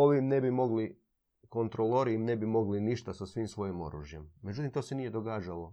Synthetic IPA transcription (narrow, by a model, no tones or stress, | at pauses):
o̞ʋimne̞bimo̞ɡli | ko̞nt̪ɾolˠoɾiimne̞bimo̞ɡliniʃt̪asasʋimsʋo̞jimo̞̰ɾuʒje̞mːed͡ʒut̪̬imt̪oːse̞nijed̪o̞ɡaːd͡ʒalo̞